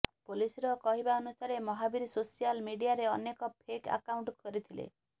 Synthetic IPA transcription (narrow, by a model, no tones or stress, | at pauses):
polisiɾɔkɔɦibaɔnusaɾemɔɦabiɾisosijalmiɖijaɾeɔnekɔpʰeka̰kawɳʈkɔɾit̪ʰilḛ